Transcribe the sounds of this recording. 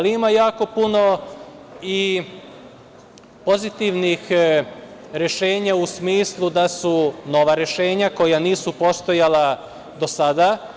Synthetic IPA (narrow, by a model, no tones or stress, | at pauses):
aliimajaːko̞puno̞ | i | po̞zit̪iʋnix | ɾe̞ʃe̞ːɲausmiːslˠud̪asuno̞ʋaɾe̞ʃe̞ːɲako̞janiːsupo̞st̪o̞jalˠa | d̪o̞sad̪a